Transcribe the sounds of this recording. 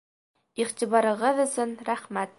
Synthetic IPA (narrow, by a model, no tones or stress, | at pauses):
iʁt̪iβɑɾɤ̆ʁɤðɵ̆sɵnɾæχmæt̪̚